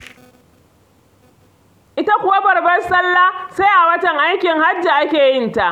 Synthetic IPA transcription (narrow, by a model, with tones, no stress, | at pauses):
ʔɪ˦ta˦kʷʊ˨wa˦bɐ˨rbɐ˦nsɐ˦lːaː˦seː˦ʔa˨wɐ˦tɐ˨ŋʔa˦jkʲɪ˨ŋha˦d͡ʒːa˨ʔa˦kʲeː˨jɪ˦nta˦ʔ